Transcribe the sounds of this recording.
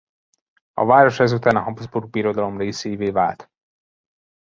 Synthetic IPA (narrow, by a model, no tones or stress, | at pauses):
ɒ̰vaːɾo̞ʃɛzut̪aːnɒɦɒbzburɡ̚biːɾo̞d̪ɒlo̞mreːsejiveːvaːlt̪